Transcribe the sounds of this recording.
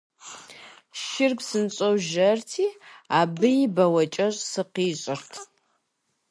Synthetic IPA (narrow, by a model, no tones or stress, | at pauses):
ʃɪrɡʷsɨnɕʼɐwʒɐrtʰiːaːbɨjɪbɐwɐt͡ʃʼɐɕʼsɨqiːɕʼɪrtʰ